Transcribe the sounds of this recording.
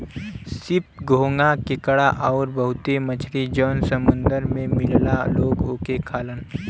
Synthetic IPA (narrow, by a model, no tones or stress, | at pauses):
sɪp̚ɡʱoːŋɡakɪkəɽaʔɔːɾbəɦʊt̪emət͡ʃʰɾid͡ʒɔːnsəmʊ̃nd̪əɾmẽmɪllaloːɡoːkekʰaːlən